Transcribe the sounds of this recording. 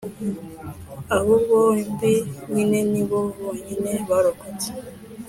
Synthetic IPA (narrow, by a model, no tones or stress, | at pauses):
ahuɡowembiɲineniβoβoɲineβaɾokote̥